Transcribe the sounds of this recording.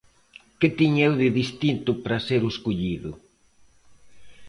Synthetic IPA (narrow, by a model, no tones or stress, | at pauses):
kɪt̪iɲewðɪðist̪int̪ʊpɾɐseɾoskuʎiðʊ